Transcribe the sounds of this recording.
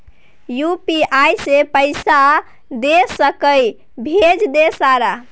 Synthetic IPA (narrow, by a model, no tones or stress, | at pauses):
jupiajsepəɪsa | d̪esəkəj | bʱed͡ʒd̪esaɾa